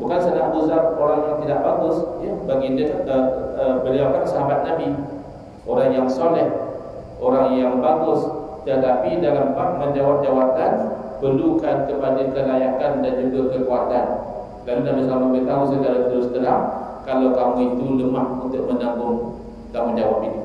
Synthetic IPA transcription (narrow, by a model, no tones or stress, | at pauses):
bukansanaʔbuzat̚oɾaŋjaŋt̪idaʔbaɡʊsjəbaɡidəəəbəliawkansəɦabat̪̚nabi | ʔoɾaŋjaŋsolɛh | oɾaŋjaŋbaɡʊs | dat̪apidalambak̚məɲd͡ʒawap̚d͡ʒawat̪an | pərlukankəpadakəlajakandand͡ʒuɡakəkuat̪an | lalunabisamabət̪aɦusəd̪alat̪əɾʊst̪əɾamkalawkamũit̪uləmahunt̪ʊʔ̚məndambʊŋ | k̪amud͡ʒawa̰p̚it̪u